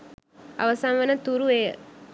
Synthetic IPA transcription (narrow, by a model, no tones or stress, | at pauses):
ɐ̰ʋɐsamʋɐnɐt̪uɾue